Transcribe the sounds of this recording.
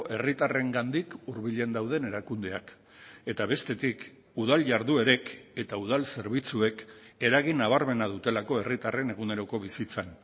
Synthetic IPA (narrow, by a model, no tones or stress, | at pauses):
e̞rit̪are̞ŋɡand̪ikuɾβiʎend̪awð̞e̞ne̞ɾakund̪e̞ak | e̞t̪aβe̞st̪e̞t̪ik | uð̞alʝaɾðue̞ɾe̞ke̞t̪auð̞alse̞ɾβ̞it͡sue̞ke̞ɾaɣ̞inaβ̞aɾme̞nað̞ut̪e̞lako̞e̞rit̪are̞ne̞ɣ̞une̞ɾo̞ko̞β̞isit͡san